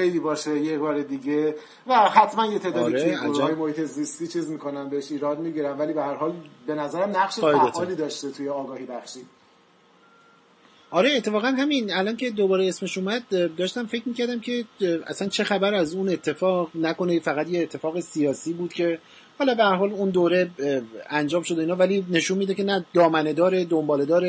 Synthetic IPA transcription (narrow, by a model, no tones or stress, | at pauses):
xejliːbɒːʃejebɒːɾed̪iɟe | væhæt̪ʰmænjet̪ʰeːd̪ɒːd̪iɾteueæːjemohiːt̪ʰe̞zist̪iːt͡ʃʰiːzmiːkʰo̞næmbeheʃiːɾɒːd̪̚miɟiɾæmvæliːbehæɾɦɒːlbe̞næzæɾæmnæɣʃeed̪eːliːd̪ɒːʃt̪et̪ʰujeɒːɡɒːhibæxʃiːd̪ | ʔɒɾe̞ːt̪ʰːe̞fɒːɣænɦæminælɒncʰe̞d̪o̞bɒːɾeesme̞ʃumæd̪̚d̪ɒːʃt̪æmfe̞cʰmiːcæɾd̪æmcʰe̞æ̰sænt͡ʃʰe̞xæbæɾæzune̞t̪ʰːe̞fɒːʁnæko̞nefæɣæt̪jeːt̪ʰːe̞fɒːɣesijɒːsiːbuːd̪̥cʰe̞ | hɒːlɒːbehæɾɦɒːlund̪oːɾe̞ænd͡ʒɒːmʃo̞d̪oiːnhɒvæliːne̞ʃunmiːd̪ecʰe̞næd̪ɒːmæne̞d̪ɒːɾed̪o̞mbɒːle̞d̪ɒːɾe